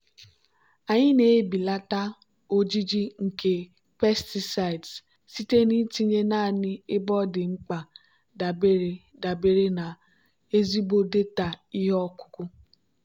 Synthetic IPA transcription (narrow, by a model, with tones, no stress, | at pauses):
a˨ɲi˦ne˨˦bi˨la˦ta˦ | o˦d͡ʒi˦d͡ʒi˦ŋ̩˨ke˨ | pɛ˦sti˨sa˨ds | si˦te˦ni˦ti˦ɲe˦naː˦˨ni˦e˦bɔ˦de˨ŋ͡m̩˦k͡pa˨ | da˨be˦ɾe˨ | da˨be˦ɾe˦na˨ | e˦zi˦bo˦de˦ta˨i˦ɦɔ˦ku̥˦ku˦